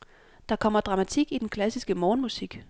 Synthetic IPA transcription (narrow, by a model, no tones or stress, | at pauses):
d̥ɑ̈kʰɒ̽m̰ɐd̥ʁɑ̈mæt͡sʰiɡ̥id̥enkʰlæsisɡ̥əmɒːnmusiɡ̥